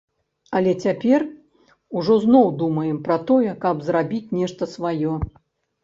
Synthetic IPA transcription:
ɐlʲɛt͡sʲapʲɛr | uʐɔznɔwd̪umɐjɛmpɾɐt̪ɔjɛkɐbzɾabʲit͡sʲnʲɛʂt̪ɐsvajɔ

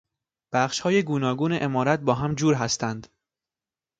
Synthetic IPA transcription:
b̥æχʃhɒːjeɡuːnɒːɡuːneʔemɒːɾæt̪̚bɒːɦæmd͡ʒuːɾɦæst̪ʰænd̪

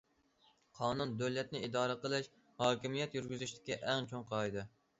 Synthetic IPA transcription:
qʰɑːnund̪øwlɛt̪̚nɪid̪ɑːɾəqəlˠɪʃ | hɑːkʲimijɛt̪jyɾɡʲyzyʃt̪ɪ̥kʲːɛʔɛŋt͡ʃʰoŋqʰɑjd̪ɨ

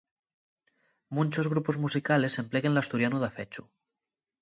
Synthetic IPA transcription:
mũnʲt͡ʃozɣ̞ɾupozmusikale̞se̞mpleɣenlast̪uɾjanuðafet͡ʃu

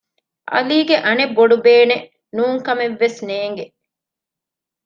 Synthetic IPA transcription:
ʔɐ̰liːɡeʔɐnebːoɖubeːne | nuːŋkɐmeʋːesneːŋɡe

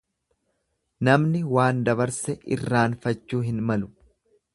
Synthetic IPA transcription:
nɐmnɪwaːnd̪ɐβɐɾsɛʔɪ̰rːaːnfɐt͡ʃːuːɦɪnmɐlʊ

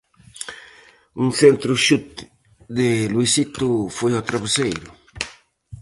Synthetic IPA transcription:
uŋθent̪ɾʊʃut̪ | d̪ɪlwisit̪ʊfojɔt̪ɾaβesejɾʊ

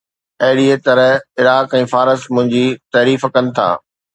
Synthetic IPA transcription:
ɐɦɪɽiet̪ɐɾəɪɾaːkɛ̃ːfaːɾəsmʊ̃ɦɪ̃ɲd͡ʑiːt̪ɐːɾiːfkɐnɪ̆t̪ʰa̰ː

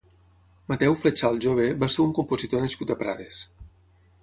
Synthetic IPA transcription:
mat̪ɛwflet͡ʃalˠʒoβ̞eβaseɾuŋkumpozit̪onaskut̪apɾa̰ðes

